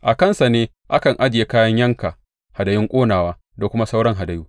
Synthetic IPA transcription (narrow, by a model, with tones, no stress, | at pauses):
ʔa˨kɐ˦˨nsa˨neː˦ | ʔa˦kɐ˨ŋʔa˦d͡ʒɪ˨je˦kaː˦jɐ˦ɲjɐ˦ŋka˨ʔ | ha˨dɐ˨jɪ˦ŋkʷʼoː˦naː˨waː˦ | da˨kʷʊ˦ma˦sa˦wɽɐ˦ŋɦa˨dɐ˨juː˦